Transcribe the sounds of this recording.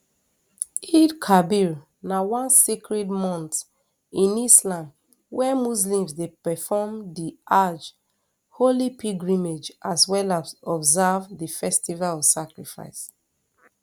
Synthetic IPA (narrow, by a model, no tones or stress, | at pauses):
idkʰabiɹ | nawãnsekɹɛdmɔ̃nt | ĩnislãm | wɛmuslĩmzdepɛfɔmdiʔad͡ʒ | holipʰiɡɹĩmed͡ʒʔaswɛlaɔbzavdifɛstivalɔv̥sakɹifa̰ɪs